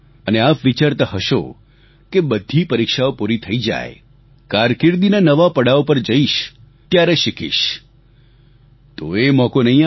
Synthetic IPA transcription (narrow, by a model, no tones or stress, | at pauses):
əneapʋit͡ʃaɾt̪əɦəʃo̰ | kebəd̪ʱipəɾikʃaopuɾit̪ʰəid͡ʒa̰j | kaɾkɪɾd̪inanəʋapəɽaopəɾd͡ʒəiʃ | t̪jaɾeʃɪkʰḭʃ | t̪oemɔkonəĩ